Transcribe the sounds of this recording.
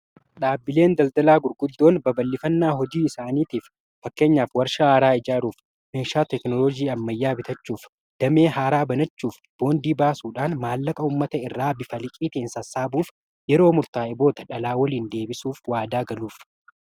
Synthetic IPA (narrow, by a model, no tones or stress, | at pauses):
ᶑaːbːɪle̞ːnd̪ɐld̪ɐlaːɡʊɾɡʊd̪ːo̞ːnbɐbɐlːɪfɐnːaːɦɔd͡ʒiːɪsaːniːt̪iːf | fɐkːe̞ːɲːaːfwɐɾʃaaːɾaːɪd͡ʒaːɾuːf | meːʃaːt̪ɛknɔlɔd͡ʒiːɐmːɐjːaːbɪt̪ɐt͡ʃːuːf | d̪̥ɐme̞ːɦaːɾaːbɐnɐt͡ʃːuːf | b̥o̞ːnd̪iːbaːsuːᶑaːnmaːlːɐkʼɐʊmːɐt̪ɐɪrːaːbɪfɐlɪkʼiːt̪ɪnsɐsːaːbuːf | jɛɾo̞ːmʊɾt̪aːɪbo̞ːt̪ɐᶑɐlaːwɐliːnd̪e̞ːbɪsuːfwaːd̪aːɡɐluːf